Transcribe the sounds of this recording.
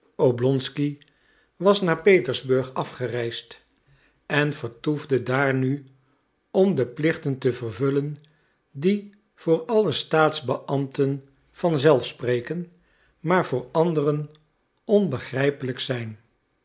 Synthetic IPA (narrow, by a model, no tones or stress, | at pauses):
owblɔnski | ʋɑsnaːɹpejtəɹzbɵɹχɑfχərɛjst | ɛnv̥əɹtuvdədaːɹny | ɔmdəplɪχtəntəvərvɵlən | di | v̥ʊːɹɑləstaːtzbəʔɑmtən | v̥ɑnzɛlˠfsprejkən | maːɹv̥ʊːɹɑndərən | ɔnbəχrɛjpələksɛjn